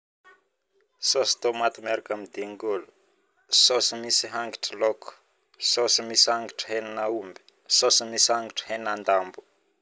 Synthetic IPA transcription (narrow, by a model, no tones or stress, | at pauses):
sosi̥t̪omat̪umaɾakamid̪iŋɡulu̥ | sosimisiɦaŋɡiʈ͡ʂəloku̥ | sosimisiaŋɡiʈ͡ʂə̥ɦeninaumbi̥ | sosimisiaŋɡiʈ͡ʂə̥henand̪ambu̥